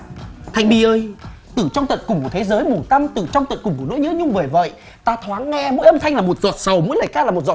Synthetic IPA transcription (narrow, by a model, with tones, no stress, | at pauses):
t̪ʰa˧jŋ̟ɓi˧˩ʔəː˧j | t̪ɨ˧˩t͡ɕɔ˧wŋ͡mt̪wə̰˧˨nkʊ˨˩ŋ͡mku˧˩t̪ʰe˨˦zəː˨˦jmu˧˩t̪a˧mt̪ɨ̰˧˩t͡ɕɔ˧wŋ͡mt̪wə̰˧˨nkʊ˨˩ŋ͡mku˧˩əno̰˧˥jɲɨ̰˧˥ɲʊ˧ŋ͡mvə˨˧˩və̰˧˨j | t̪aː˧t̪ʰwaː˨˦ŋːɛ˧mo̰˧˥jʔə˧mt̪ʰa˧jŋlaː˨˩mo˨˩t̚zɔ˨˩t̚sa˨˩wmṵ˧˥jləː˨˩jkaː˧laː˨˩mo˨˩t̚zɔ̰˨˩